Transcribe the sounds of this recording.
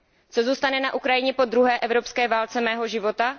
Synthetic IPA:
t͡sozuːst̪anɛnaʔukɾajɪɲɛpo̞d̪ɾuɦɛːʔɛvɾopskɛːvaːlt͡sɛmɛːɦo̞ʒɪvo̞t̪a

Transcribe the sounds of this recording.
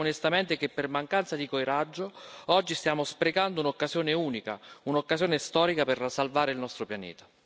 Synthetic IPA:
onest̪ament̪ekepːermaŋkant̪sad̪ikojɾad͡ʒːoɔd͡ʒːist̪jaːmospɾeɡand̪ounokːazjoːneuːnika̰unokːazjoːnest̪ɔːɾikapersːalvaːɾeilnɔst̪ɾopjanḛːt̪ḁ

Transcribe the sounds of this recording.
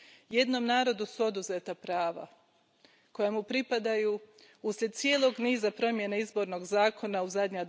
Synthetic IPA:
je̞d̪no̞mnaːɾo̞d̪usuo̞d̪uzet̪apɾaːʋa̰ | ko̞jamupɾipad̪aju | usʎʲe̞d̪̚t̪sije̞lˠo̞ɡniːzapɾo̞mje̞neizbo̞ːɾno̞ɡzaːkʰo̞nauzad̪ɲad̪

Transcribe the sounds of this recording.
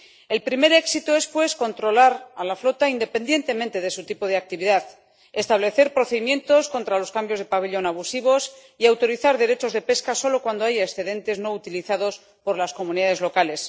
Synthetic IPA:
e̞lpɾime̞ɾe̞ksit̪oespwe̞sko̞nt̪ɾo̞laɾalaflo̞t̪aind̪e̞pe̞nd̪je̞nt̪e̞mẽnt̪e̞ðe̞sut̪ipoð̞eak̚t̪iβiðað | e̞st̪aβ̞le̞θe̞ɾpɾo̞θeðimjẽ̞nt̪o̞sko̞nt̪ɾalo̞skambjo̞zð̞e̞paβiʎo̞naβusiβ̞o̞s | iawt̪oɾiθaɾðe̞ɾe̞t͡ʃo̞zðe̞pe̞skaso̞lo̞kwand̪o̞ajaesθe̞ðe̞nt̪e̞zno̞ut̪iliθaðos | po̞ɾlasko̞mũniðaðe̞zlo̞kale̞s

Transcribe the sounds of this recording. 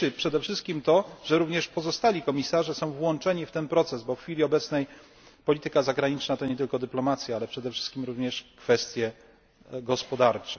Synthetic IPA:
ɘpʂɛd̪ɛfʂɘst̪̚kʲimt̪ɔʐɛɾuvɲɛʂpɔzɔst̪alʲikɔmʲisaʐɛsɔ̃w̃vwɔnt͡ʂɛɲift̪ɛnpɾɔt̪sɛzbɔfxfʲilʲiɔbɛt̪snɛj | pɔlʲit̪ɘkazaɡɾaɲit͡ʂnat̪ɔɲɛt̪ɘlkɔd̪ɘplɔmat̪sʲjaalɛpʂɛd̪ɛfʂɘ̥st̪kʲimɾuvɲɛʂkfɛst̪ʲjɛ | ɡɔspɔd̪aɾt͡ʂɛ

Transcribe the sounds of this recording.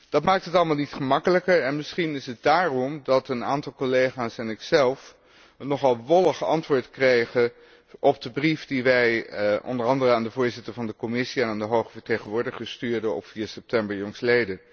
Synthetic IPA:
d̥ɑtmaːk̚təɦətɑləmaːlˠnitχəmɑkələkəɹɛnmɪsχinɪsət̚daːrɔmdɑtəna̰ːntɑlˠkɔlejχaːsɛnɪksɛlˠf | ənːɔχɑlˠʋɔləχɑ̰ntʋʊːɹtkrejχə | ʔɔp̚dəbrifdiʋɛjʔɔ̰ndərɑndərəaːndəvʊːɹzɪtəɹvɑndəkɔmɪsiɛnaːndəɦowχəvəɹtejχənʋʊːɹdɪχəstyːɹdəɔ̰pfiːɹsɛp̚tɛmbəɹjɔŋslejdə

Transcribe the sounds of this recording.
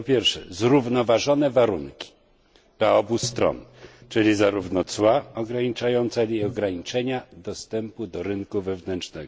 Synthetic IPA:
pɔpʲjɛɾfʂɛ̰zɾuvnɔvaʐɔnɛvaɾuŋkʲi̥ | d̪̥laɔbust̪ɾɔ̰nt͡ʂɘlʲizaɾuvnɔt̪swaɔɡɾaɲit͡ʂajɔnt̪salʲiɔɡɾaɲit͡ʂɛɲad̪ɔst̪ɛmpud̪ɔɾɘnkuvɛvnɛnt͡ʂnɛɡɔ

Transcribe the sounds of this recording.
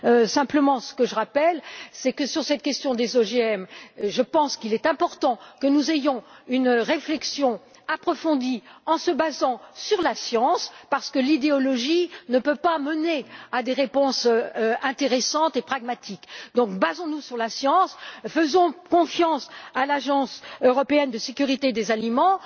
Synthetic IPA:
øsɛ̃pləmɑ̃sə̥kəʒəʁapɛlsɛkəsyʁsɛt̪̚kʲɛst̪jɔ̃d̪ezoʒeɛmʒəpɑ̃skilɛt̪ɛ̃pɔʁt̪ɑ̃kənuzejɔ̃ynʁeflɛksjɔ̃ | apχɔfɔ̃d̪iɑ̃səbazɑ̃syʁlasjɑ̃spaʁsə̥kəlid̪eɔlɔʒinəpøpamənead̪eʁepɔ̃sɛ̃t̪eʁesɑ̃t̪epχaɡmat̪ikd̪ɔ̃kbazɔ̃nusyʁlasjɑ̃sfəzɔ̃kɔ̃fjɑ̃salaʒɑ̃søʁɔpeɛnd̪əsekʲyʁit̪ed̪ezalimɑ̃

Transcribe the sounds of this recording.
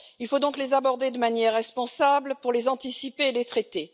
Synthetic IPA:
ilfod̪ɔ̃klezabɔʁd̪ed̪əmanjɛʁːɛspɔ̃sablpuʁlezɑ̃t̪isipeːlet̪χɛt̪e

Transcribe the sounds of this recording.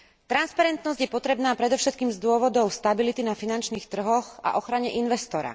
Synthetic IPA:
t̪ɾanspaɾɛnt̪nɔzɟjɛpɔt̪ɾɛbnaːpɾɛd̪ɔʊʃɛt̪̚kiːmzd̪ʊɔʋɔd̪ɔʊst̪abilit̪inafinant͡ʃniːxt̪r̩ɦɔɣa̰ʔɔxɾaɲɛʔinʋɛst̪ɔɾa̰

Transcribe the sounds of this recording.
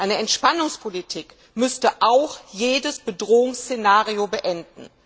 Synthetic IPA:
ʔaɪnəɛntʃpanʊŋspʰolitʰiːk | mʏstəʔaʊxjeːdəsb̥ədʁoːʊŋst͡senaːʁiobəʔɛndn̩

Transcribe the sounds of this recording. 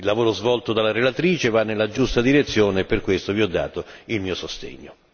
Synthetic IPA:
ilːavoːɾozvɔlt̪od̪alːaɾelat̪ɾiːt͡ʃevanːelːad͡ʒust̪ad̪iɾet̪sːjoːneːpːerkwest̪oviɔd̪ːa̰ːt̪oilmiːosost̪ḛɲːo

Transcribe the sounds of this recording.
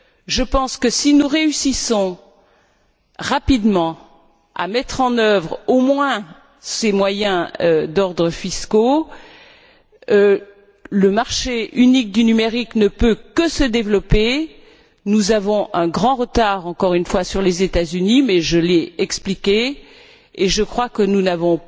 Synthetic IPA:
ʒəpɑ̃skəsinuʁeysisɔ̃ | ʁapid̪mɑ̃ | a̰mɛt̪χɑ̃nœvʁomwɛ̃ | semwajɛ̃ød̪ɔʁd̪ʁəfisko | ləmaʁʃeynik̚d̪ynymeʁiknəpøkəsəd̪evlɔpe | nuzavɔ̃ʔɛ̃ɡʁɑ̃ʁət̪aʁɑ̃kɔʁynfwasyʁlezet̪azynimɛʒəlɛɛksplikʲe | eʒəkχwakənunavɔ̃

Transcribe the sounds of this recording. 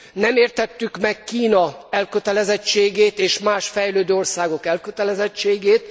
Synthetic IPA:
nɛmeːrt̪ɛt̪ːykmɛkːiːnɒɛlkøt̪ɛlɛzɛt͡ʃːeːɡeːt̪eːʃmaːʃfɛjløːd̪øːo̞rsaːɡo̞kɛlkøt̪ɛlɛzɛt͡ʃːeːɡeːt̪

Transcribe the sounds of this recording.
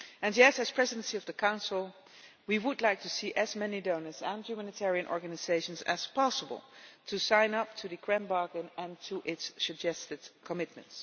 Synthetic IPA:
ɨ̃njɛtɨz̥pʰɹ̥ɛzɨdə̃n̩siʌvðəkʰãʊ̃nsl̩ˠ | wiwədˡlaɪk̚tʰɨsiʔɨzmɛnidõʊ̃nə˞zə̃njʉmænɨtʰɛɹiɨ̃nʔɔ̰ɹɡɨnɨzeɪʃə̃nzɨ̰z̥pʰɑsəbə̰l̩ˠtʰɨsãɪ̃nʌp̚tʰɨðɨɡɹɛ̃mbɑɹɡə̃nɨ̃ntʰuʔɪtssɨd͡ʒɛstɨd̥kʰəmɪt̚mɨ̰̃nts

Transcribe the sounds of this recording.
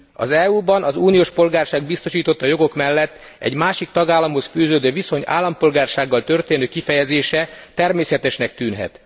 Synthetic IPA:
ɒ̰zɛuːbɒnʔɒzuːnijoːʃpo̞lɡaːrʃaːɡbist̪o̞ʃiːt̪o̞t̪ːɒjo̞ɡo̞kmɛlːɛt̪ː | ɛ̰ɟmaːʃik̚t̪ɒɡaːlːɒmho̞sfyːzøːd̪øːviso̞ɲa̰ːlːɒmpo̞lɡaːrʃaːɡːɒlt̪ø̞rt̪eːnøːkifɛjɛzeːʃɛt̪ɛrmeːsɛt̪ɛʃnɛk̚t̪yːnɦɛ̰t̪

